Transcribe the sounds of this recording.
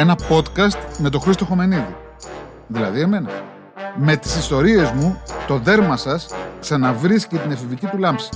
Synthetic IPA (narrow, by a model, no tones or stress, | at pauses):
e̞nɐpo̞t̪kɐst̪me̞t̪o̞xɾist̪oxo̞me̞niði | ðilɐ̰ðie̞me̞nɐ̰ | me̞t̪i̥sist̪o̞ɾie̞zmut̪o̞ðe̞ɾmɐsɐsksɐnɐvɾiscet̪inɐfivicit̪ulɐmsi̥